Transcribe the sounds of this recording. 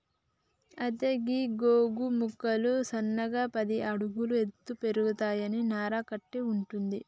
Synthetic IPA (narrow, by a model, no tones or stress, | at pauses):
ɐt̪eɡiːɡoːɡumukːɐlusɐnːɐɡaːpɐd̪iʔɐɽuɡulue̞t̪ːupe̞ɾuɡut̪aːjɐninaːɾaːkɐʈːeuɳʈund̪i